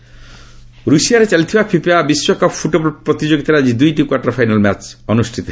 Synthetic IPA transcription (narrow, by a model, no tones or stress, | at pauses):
ɾusijaɾet͡ʃalit̪ʰibapʰipeabiswɔkɔppʰːuʈoblpɾɔt̪id͡ʒoɡit̪aɾad͡ʑid̪ujʈikwaʈɔɾpʰajnalmat͡ʃɔnusʈʰit̪ɔ